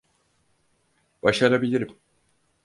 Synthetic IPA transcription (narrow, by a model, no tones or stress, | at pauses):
b̥aʃaɾabilʲiɾim